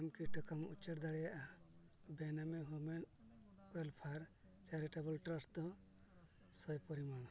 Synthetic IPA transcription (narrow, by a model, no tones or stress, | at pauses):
amkiʈɔkamut͡ʃeɾd̪aɽɛjaʔa | bɛnamɛɦumɛn | wɛlpʰaɾ | t͡ʃaɾiʈabɔlʈɾɔst̪ɔ | sɔjpɔɾiman